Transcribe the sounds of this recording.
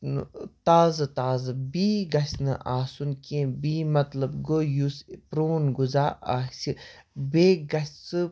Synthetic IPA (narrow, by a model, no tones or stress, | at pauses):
n̰t̪aːzɨt̪aːzɨbiːɡɐsnɨʔaːsunkẽːbiːmɐt̪lɐbɡojuspɾoːnɡuzaːaːsibeɡɐst͡sɨ